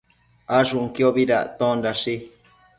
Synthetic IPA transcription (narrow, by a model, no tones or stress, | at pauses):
aʐuŋkioβiɾa̰ʔt̪õndaʂi